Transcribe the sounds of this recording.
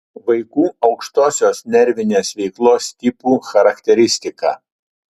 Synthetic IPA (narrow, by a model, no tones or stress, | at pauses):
ʋɐɪkuːɐʊkʃt̪oːsʲoːsnʲɛɾʲʋʲɪnʲeːsʋʲɛɪklˠoːst̪ʲɪpuːxɐɾɐkt̪ʲɛɾʲɪsʲt̪ʲɪkɑ̰ː